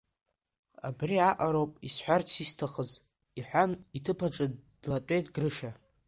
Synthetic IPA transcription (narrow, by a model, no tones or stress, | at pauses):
a̰briaʔʼaɾowpʼisħʷᶣart͡sʰistʰaχəz | iħʷᶣanitʰɨpʰaʈ͡ʂʼɨdd̥latʷʼejtʼɡrɨʂa